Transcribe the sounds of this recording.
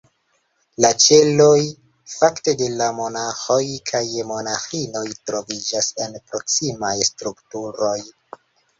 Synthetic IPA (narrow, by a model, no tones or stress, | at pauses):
lat͡ʃe̞lo̞j | fakte̞de̞lamo̞naxo̞jkʰajmo̞naxino̞jtɾo̞vid͡ʒase̞npɾo̞ksimajstɾuktuɾo̞j